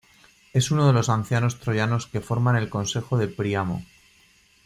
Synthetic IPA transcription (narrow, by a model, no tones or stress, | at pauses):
e̞suno̞ðe̞lo̞san̟θjano̞st̪ɾo̞ʝano̞ske̞fo̞ɾmane̞lko̞nse̞xo̞ðe̞pɾiamo̰